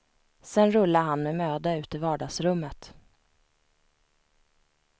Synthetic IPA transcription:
sɛnɾɵlːaɦanmɛmøːd̪aʉ̟ːt̪ɪvɑːɖɑːɡsɾɵmːət̪

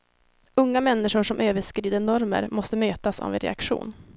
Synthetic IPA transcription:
ɵŋːamɛnːɪʂʊʂɔmʔøːvəʂkɾiːd̪əɳɔɾmə̰ɾmɔst̪əmøːt̪asɔ̰vɪɾɛ̰akɧṵːn

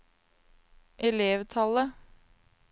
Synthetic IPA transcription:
ʔɛleːʋt̪ʰɑlə

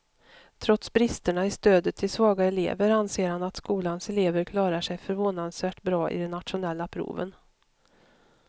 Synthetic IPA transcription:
t̪ʰɾɔt̪sbɾɪst̪əɳaɪst̪øːd̪ət̪ʰːɪlsvɑːɡaɛlḛːvəɾanseːɾhanat̪skuːlansɛleːvəɾkʰlɑːɾaʂɛjfœɾvoːnansvæːʈbɾɑːʔɪ̰d̪ɛnːat̪ɧʊnɛlːapʰɾṵːvə̰n

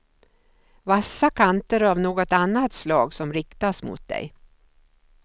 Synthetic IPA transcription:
vasːakʰant̪əɾavnoːɡɔt̪anːat̪slɑːɡsɔmɾɪkt̪asmʊ̰t̪̚d̪ɛ̰j

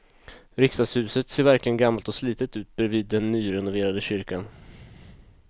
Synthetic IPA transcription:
ɾɪkst̪ad̪shʉ̟ːsət̪seːɾvæɾklɪɡənɡamːalt̪ɔsliːt̪ət̪ʉ̟ːt̪̚bɾɛviːd̪ːɛnːyːɾɛnʊveːɾad̪əɕʏɾkan

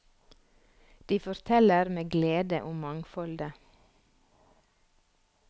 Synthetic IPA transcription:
d̪̥iːfɔɾt̪ʰɛləɾmeːɡleːd̪ə̰ʔʊmmɑŋfɔld̪ə

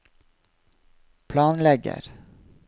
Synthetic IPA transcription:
pʰlɑːnlɛɡə̰ɾ

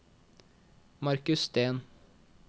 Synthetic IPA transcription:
mɑɾkʉsst̪eːn

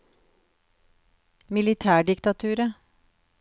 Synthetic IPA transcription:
mɪlɪt̪ʰæːɖɪkt̪ɑt̪ʰʉːɾə

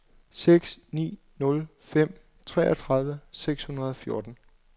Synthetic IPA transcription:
seɡ̥snḭː | nɔ̽l | fem̰ | t͡sʰʁɛ̰ːʔɐt͡sʰʁɑ̈ð̞ˠʋəseɡ̥shunɐð̞ˠɒ̽fjo̝ːɐd̥n̩

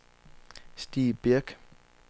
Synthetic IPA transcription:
sd̥ḭːb̥iɐɡ̥

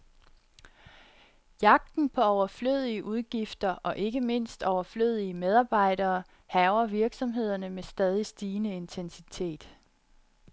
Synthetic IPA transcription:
jɑ̈ɡ̥̚d̥n̩pʰɒ̽ɒʊɐfløð̞̰ˠiəʔuðˠɡ̥ifd̥ɐʔɒ̽ʔe̝ɡ̥əme̝n̰sd̥ɒʊɐfløð̰ˠiəmeðˠɑ̈ːb̥ɑ̈ɪ̰ɾɐː | hɛʊɐʋiɐɡ̥sɒ̽mɦe̝ð̞̰ˠɐnəmesd̥ɛːð̞ˠisd̥iːnəe̝nt͡sʰensit͡sʰe̝̰ːd̥

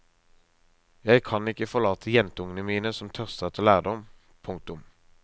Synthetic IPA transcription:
jæɪkʰɑnɪkəfɔʁlɑːt̪ʰəjɛnt̪əʊŋənəmiːnəsɔmt̪ʰœʁst̪ət̪ʰɪlæːʁd̪ɔm | pʰʊŋk̚t̪ʊm

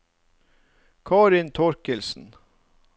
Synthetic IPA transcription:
kʰɑːɾɪnt̪ʰɔɾkəlsn̩

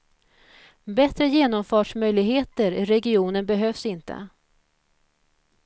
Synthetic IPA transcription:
bɛt̪ɾəjeːnɔmfɑːʂmœjlɪɡɦeːt̪əɾɪɾɛɡɪuːnənbɛɦøːfsɪnt̪ə̰

